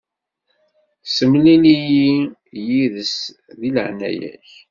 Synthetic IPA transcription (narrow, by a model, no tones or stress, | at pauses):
səmlinijijiðəs | ðiləʕnæ̰jæ̰ç